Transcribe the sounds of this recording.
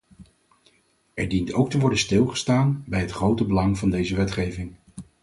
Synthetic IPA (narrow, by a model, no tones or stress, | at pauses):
ɛɹdintowktəʋɔɹdənstɪlˠχə̥staːnbɛjɦətχrowtəbəlɑŋvɑndejzəʋɛtχejvɪŋ